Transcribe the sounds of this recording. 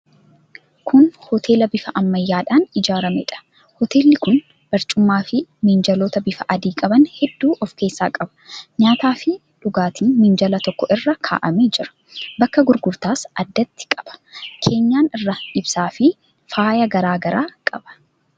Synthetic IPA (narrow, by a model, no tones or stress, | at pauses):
kʰʊnhɔt̪ʰe̞ːlɐbɪfɐʔɐmːɐjːaːᶑaːnɪd͡ʒaːɾɐmɛ̰ᶑɐ̥ | hɔt̪e̞ːlːɪkʊn | b̥ɐɾt͡ʃʼʊmːaːfɪmɪnd͡ʒɐloːt̪ɐbɪfɐʔɐd̪iːkʼɐbɐnhɛd̪ːuːʔɔfke̞ːsːaːkʼɐbɐ̥ɲaːt̪aːfɪ | ᶑʊɡaːt̪ʰiːmɪnd͡ʒɐlɐt̪ɔkːɔʔɪrːɐkʰa̰ːʔɐmed͡ʒɪɾɐ̥ | bɐkːɐɡʊɾɡʊɾt̪aːsɐd̪ːɐt̪ːɪ̥kʼɐ̥b̥ɐ̥kʰe̞ːɲːaːnɪrːɐᶑɪbsaːfɪ | faːjɐɡɐɾaːɡɐɾaːkʼɐb̥ɐ̥